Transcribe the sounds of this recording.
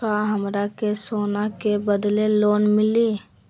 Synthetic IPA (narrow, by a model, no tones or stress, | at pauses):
aɦəmɾakesoːnakebəd̪leloːnmɪli